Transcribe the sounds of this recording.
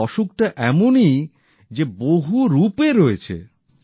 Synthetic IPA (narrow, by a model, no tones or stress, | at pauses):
ɔʃuk̚ʈaʔɛmoni | d͡ʑeboɦuɾupeɾoet͡ɕʰḛ